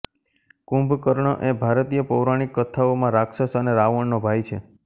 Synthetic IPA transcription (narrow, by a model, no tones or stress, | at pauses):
kũmbʱkəɾɳəʔebʱaɾt̪ijəpəwɾaɽ̃ikːət̪ʰaomãɾakʃəsəneɾaʋəɳnobʱajt͡ʃʰḛ